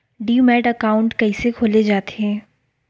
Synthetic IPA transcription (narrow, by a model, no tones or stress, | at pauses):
ɖiːumɛːɖɐkaːʊ̃ɳʈkɐisekʰoːled͡ʒaːt̪eɦɛ̃ː